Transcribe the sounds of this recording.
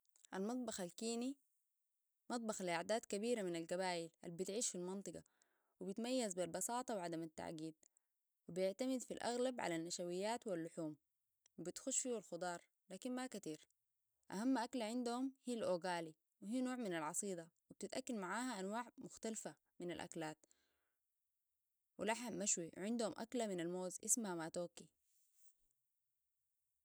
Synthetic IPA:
ʔalmɑt̪ˤbɑxalkiːni | mɑt̪ˤbɑxliʔaʕd̪aːt̪kabiːɾaminalɡabaːjila̰lbit̪ʕiːʃfilmɑnt̪ˤɨɡɑ̰ | wibɪt̪majːazbilbɑsɑːt̪ˤɑwʕad̪amat̪ːa̰ʕɡiːd̪̚ | wibijɪʕt̪amid̪filʔa̰ɣlabʕa̰lanːaʃawijːaːt̪wilːʊħuːm | wibit̪xʊʃfiːwalxʊd̪ˤɑːɾˤ | laːkinmakat̪iːɾ | ʔa̰hamːʔaklaʕɪnd̪uhumhiːlʔoːɡaːli | wiɦiːnoːʕminalʕɑsˤiːd̪ˤɑwib̚t̪it̪ʔakːalmaʕaːɦaʔanwaːʕmʊxt̪alfa | mina̰lʔa̰klaːt̪ | wilaħaːaʃwiʕɪnd̪humʔa̰klaminalmoːzʔɪsmhamaːt̪oːki

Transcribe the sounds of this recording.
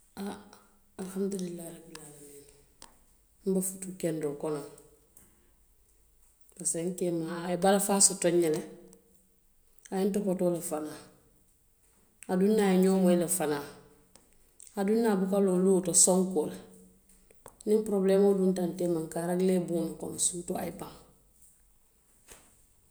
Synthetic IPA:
aː | lhamd̪ulilːaːɾaɡilalameːni | m̩bafutukɛndokɔnoŋ | paseŋkeːmaebalafaːsotoɲːɛlɛ | ajɛntɔkotoːlafanaː | adunːajiɲɔːmoilɛfanaː | adunːabukalolutɔsɔ̃ŋkoːla | nĩmpɾoblɛːmodũntanteːmaŋkaːɾaɡileːbuːnukɔ̰msuːtɔa̰ipãŋ

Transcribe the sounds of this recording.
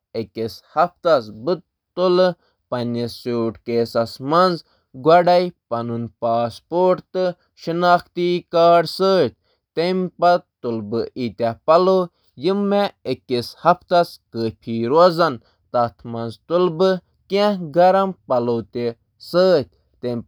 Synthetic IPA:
ekeshɐft̪ɐsbɨt̪ | t̪ulɨ | pɐnesoːʈkeːsɐsmɐnz | ɡwɐɖɐjpɐnunpaːspoːʈt̪ɨ | ʃinaːxt̪ikaːɖsəːt̪̚ʲ | t̪empɐt̪ulbɨʔit̪ʲapɐlo | jimːeekishɐft̪ɐskəpʰiɾozɐn | t̪ɐt̪ʰmɐnzt̪ulbɨ | kẽɡɐɾɐmpɐloːt̪e | səːt̪̚ʲ | t̪em

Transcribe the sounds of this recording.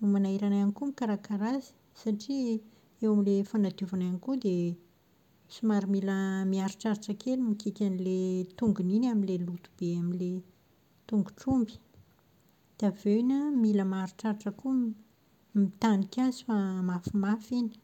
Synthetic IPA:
umanaiɾananikumikaɾakaɾazi̥ | saʈ͡ʂi | ewamilefanad̪uvananikud̪e | sumaɾimiləmiaɾuʈ͡ʂaɾaʈ͡ʂəkelumikikʲanilet̪uŋɡuninaminlelut̪u̥b̥eamile | t̪uŋɡuʈ͡ʂumbi̥ | d̪̥eaveinamiləmaɾuʈ͡ʂaɾaʈ͡ʂəku | mit̪anikʲazi̥famafimafinə̥

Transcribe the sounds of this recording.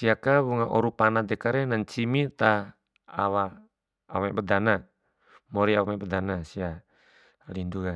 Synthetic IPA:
siakaβuŋaʔɔɾupanad̪ɛkaɾɛnaɲt͡ʃimit̪a | a̰waː | mabəd̪ana | mɔɾiawamabədanasia | linduɡa

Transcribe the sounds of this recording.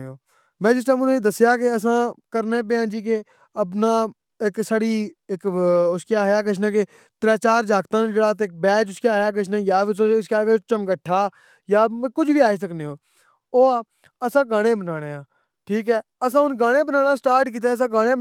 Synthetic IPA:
oː | mɛ̃ːd͡ʒɪstãːmʊned̪əsjaːkeəs̬ãːkəɾneːp̬eːãːd͡ʒiːk̬e | əp̬naː | ɪksaɽiːɪkʊskjaːɦjaːk̬əʃ̬ʰnaːke | t̪ɾaːt͡ʃaːɾd͡ʒaːkt̪ãːnd͡ʒeːɽaːt̪eːk̚bɛːd͡ʒʊskjaːɦjaːkəʃʰnãːjaːʋɪskaːkːt͡ʃəmkəʈʰːaː | jaːkʊd͡ʒʋiːaːisəkneːɦoː | oːaː | əsãːɡaːɽ̃ẽːbənaːɽ̃eːãː | ʈʰiːkɦɛːəsãːʊnɡaːɽ̃ẽːbənaːnaːsʈaːɾʈkiːt̪̬aəs̬ãːɡaːɽ̃ẽː

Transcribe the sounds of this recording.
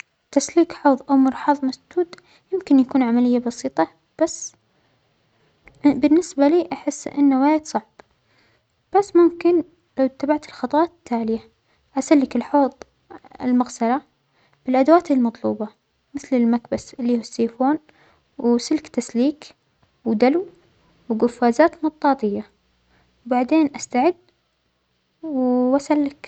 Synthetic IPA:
t̪asliːkħoːðˤʔawmʊɾħɑːðˤmasd̪̥uːd̪ | jɪmkɪnjakuːnʕamalɪjːabɑsiːt̪ˤɑ | b̥asː | bɪnːɪsbaliːʔaħɪsːʔɪ̰nːawaːjd̪sˤɑʕb̥ | b̥asːmʊmkɪn | lawt̪ːabaʕt̪ɪlxɑt̪ˤwɑːt̪t̪ʰːaːlɪja | ʔasalːɪkɪlħoːðˤ | ɪ̰lmaɣsala | b̥ɪlʔad̪awaːt̪ɪlmɑt̪ˤluːbɑ | mɪθlɪlmakbasɪlːiːhusːiːfoːn | wsɪlkt̪asliːk | wd̪alw | wɡʊfːaːzaːt̪mɑt̪̚t̪ˤːɑːt̪ˤɪjːa | wbaʕd̪eːnʔast̪aʕɪd̪ | wasalːɪk

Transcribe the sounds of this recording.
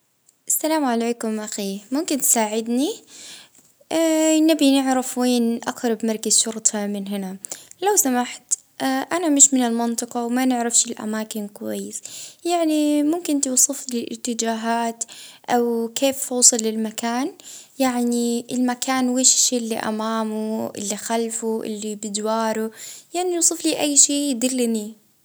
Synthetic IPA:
ʔasːalaːmʕaleːkʊmʔaxiːmʊmkɪnt̪saːʕɪd̪ni | anabinɪʕɾɪfweːnʔa̰qɾˤɑbmɑɾˤkazʃʊɾt̪ˤɑmɪnɦɪnalawsamaħt̪ | ʔʔanamɪʃmɪnɪlmɪnt̪ˤɨqɑwmanɪʕɾafʃɪlʔa̰maːkɪnkʊwa̰jːɪsjaʕnimʊmkɪnt̪uwsˤɨflɪlʔɪ̰t̪ːɪd͡ʒaːɦaːt̪ʔawkʰeːffɑːsˤɨlːɪlmakaːnjaʕniɪlmakaːnweːʃɪ̥ʃːeːʔɪlːḭʔa̰maːmuʔɪ̰lːixalfuʔɪ̰lːibɪd̪wɑːɾʊjaʕniuːsˤɨfliʔajːʃiːjɪd̪ɪlːni

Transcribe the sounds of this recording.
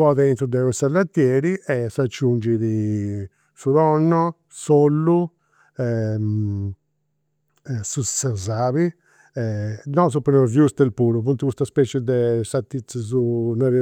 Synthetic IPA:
ɔðɛint̪ɾud̪ɛɣɔsalːat̪ːjɛːɾiɛsat͡ʃːund͡ʒiði | suðɔnːɔ | solːu | ɛm | sussɛzaːβi | ɛnɔsupːɛnɔvjust̪ɛlpuːɾupunt̪ukust̪aspɛt͡ʃɛd̪ɛsat̪ːit̪sazunɔɾi

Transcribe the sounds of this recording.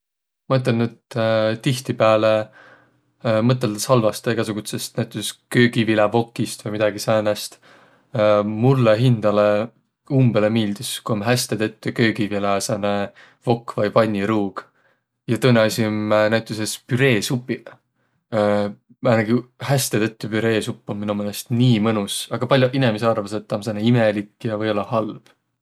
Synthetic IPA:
mɑet̪ːˑenydt̪ːt̪iht̪ipæːle | mɤt̪ːˑeld̪ɑsɑlvɑst̪eɡ̥ɑs̬uɡut̪se̞st̪næt̪ːˑuseskøːɡ̥ivilɑvo̞kːist̪vɤjmid̪̥ɑɡisɑnæst̪ː | mulːeɦind̪̥ɑle | umbelemiːld̪̥iskuomɦæsʲt̪et̪e̞t̪ːˑukø̞ːɡivilesene | vo̞kːvɑjpɑnʲːiɾuːɡ̥ | jɑt̪ɤnːeɑsʲimnæɥt̪ːˑusespyɾe̞ːsupːˑi | mænɑɡihæst̪et̪et̪ːypyɾe̞ːsupːommːinumelest̪niːmɤnusɑɡ̥ɑpɑlʲjuʔinemeseɑrveset̪ːˑɑmsɑneimelikːjɑvɤjo̞lːɑhɑlb̥

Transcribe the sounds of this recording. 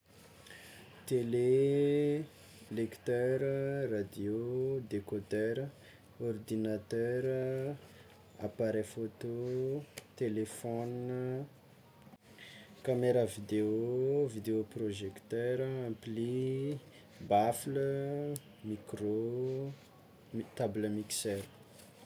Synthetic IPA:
t̪ele | lekt̪œɾərad̪jod̪ekot̪ɛɾə | ɔrd̪inat̪œɾ | a̰paɾefot̪o | t̪elefɔn | kameɾavid̪eovid̪eoproʒekt̪œɾəampli | baflə | mikro | t̪abləmiksɛɾə

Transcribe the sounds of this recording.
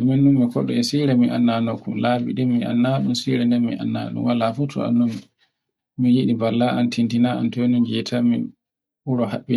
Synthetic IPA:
ɛmɛnːumːikʰɔ̰ɗɔɛsiɾɛmiʔanːanɔkumlabḭɗimːiʔa̰nːaɗunsiɾɛndɛnmḭʔa̰nːa̰ɗṵmwalafutʰɔ̰a̰nːum | mijiɗibalːaantʰintinaa̰ntɔnund͡ʒɛtʰamḭn | uɾɔhaɓːi

